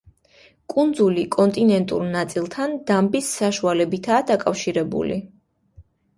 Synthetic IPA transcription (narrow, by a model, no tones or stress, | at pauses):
kʼund̪zulikʼɔnt̪ʼinɛnt̪ʼṵɾnat̪sʼilˠt̪ʰand̪̥ambisːaʃualɛbit̪ʰaːd̪akʼafʃiɾɛbṵlḭ